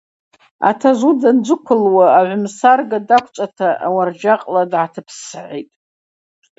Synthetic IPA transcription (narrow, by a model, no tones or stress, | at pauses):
a̰tʰazʷudand͡ʒʷɨkʷʰʊlwaːʕʷʊmsarɡadakʷʰt͡ʃʷʼatʰaʔa̰ward͡ʒaqʼladʕatʰɨpʰsʕejtʼ